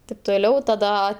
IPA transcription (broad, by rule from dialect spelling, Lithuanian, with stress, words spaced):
tʲɪp toːˈlʲɛʊ tɐˈdɐ